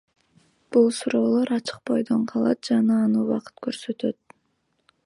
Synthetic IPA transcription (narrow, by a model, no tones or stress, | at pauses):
b̥ulˠsuɾo̞ːlˠo̞ɾɑt͡ʃɯ̥q̚bo̞jd̪oɴqʰɑlˠɑ̰t̪̚d͡ʒɑnɑːnɯuwɑqɯ̥t̪køɾsø̞t̪ø̞t̪̚